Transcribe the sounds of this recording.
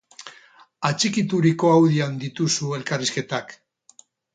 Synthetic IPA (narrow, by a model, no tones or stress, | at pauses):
at͡ʃikit̪uɾiko̞awðiand̪it̪usue̞lkariske̞t̪ak